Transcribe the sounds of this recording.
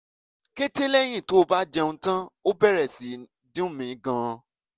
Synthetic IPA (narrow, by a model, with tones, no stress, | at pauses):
ke˦te˦lɛ˦˨˦j̃ĩ˦˨to˨˦o˦˧ba˦d͡ʒɛ˧ũ˧tã˦o˦bɛ˦˨ɾɛ˨si˨ | dĩ˦ũ˦˨mĩ˨˦ɡã˧